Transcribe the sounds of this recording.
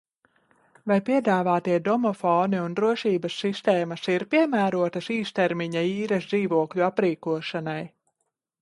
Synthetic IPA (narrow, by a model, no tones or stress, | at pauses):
vajpiɛd̪aːvaːt̪iɛd̪ɔmɔfɔːniund̪ɾuɔʃiːbɐsːist̪ɛːmɐsiɾpiɛmæːɾuɔt̪ɐsiːst̪ɛɾmiɲaiːɾɛsd̪ziːvuɔkʎʲuapɾiːkuɔʃanaj